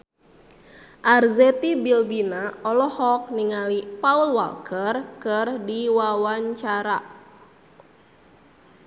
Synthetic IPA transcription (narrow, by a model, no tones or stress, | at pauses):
ʔarzɛt̪ibilbinaɔlɔhɔk̚niŋalipaulwa̰lkərkərdiwawaɲt͡ʃaɾa